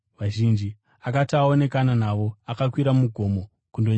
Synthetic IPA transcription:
ʋaʒind͡ʒi | akatao̞ne̞kananaʋo̞akakwiɾamuɡʱo̞mo̞ | kundo̞ɲ

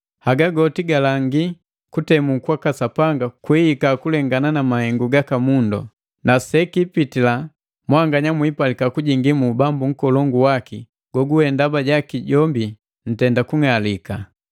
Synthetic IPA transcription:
haɡaɡɔtiɡalaŋɡi | kutɛmukwakasapaŋɡakwihikakulɛŋɡananamahɛŋɡuɡakamundɔ̰ | nasɛkipitila | mwaŋɡaɲamwipalikakuɟiŋɡimubambuŋ̩kɔlɔŋɡuwaki | ɡ̥ɔɡuhɛndabaɟakiɟɔmbi | n̩tɛndakuŋalika

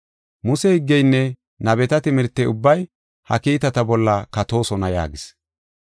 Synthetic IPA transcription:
mʊsɛhɪɡːɛjnːɛ | nɐbɛt̪ɐt̪ɪmɪɾt̪ːɛʊbːɐj | hɐ̰kiːt̪ɐt̪ɐbɔlːɐkɐt̪o̞ːsɔnɐja̰ːɡɪs

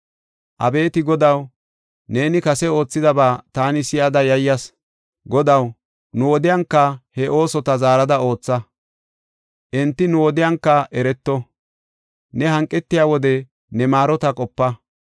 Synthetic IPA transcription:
ʔɐbe̞ːt̪ɪɡɔd̪ɐw | ne̞ːnɪkɐsɛo̞ːt͡sːɪd̪ɐbaːt̪aːnɪsɪjɐd̪ɐjɐjːɐs | ɡɔd̪ɐw | nʊwɔd̪ɪjɐŋkːɐhɛʔo̞ːsɔt̪ɐzaːɾɐd̪ɐo̞ːt͡sːɐ | ʔɛnt̪ːɪnʊwɔd̪ɪjɐŋkːɐʔɛɾɛt̪ːɔ | nɛhɐŋkʼːɛt̪ːɪjaːwɔd̪ɛ | nɛmaːɾɔt̪ɐkʼɔpːɐ

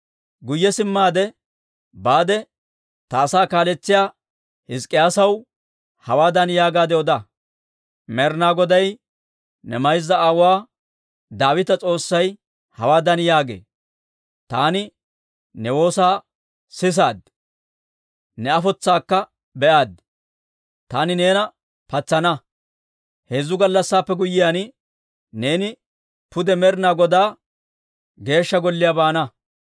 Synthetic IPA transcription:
ɡʊjːɛsɪmːaːd̪ɛ | baːd̪ɛ | t̪ɐːsaːkaːlɛt͡sːɪjaː | hɪskʼːɪjaːsɐw | hɐwaːd̪ɐnjaːɡaːd̪ɛɔd̪ɐ | mɛɾnaːɡɔd̪ɐj | nɛmɐjzːɐaːwʊwaː | d̪aːwɪt̪ɐt͡sʼo̞ːsːɐj | hɐwaːd̪ɐnjaːɡḛː | t̪aːnɪ | nɛwo̞ːsaː | sɪs̬aːd̪ | nɛɐfɔt͡sːaːkːɐ | bɛʔaːd̪ | t̪aːnɪne̞ːnɐ | pɐt͡sːɐnɐ | heːzːʊɡɐlːɐsːaːpːɛɡʊjɪjaːn | ne̞ːnɪ | pʊd̪ɛmɛɾɪnaːɡɔd̪aː | ɡe̞ːʃːɐɡɔlːɪjabaːnɐ

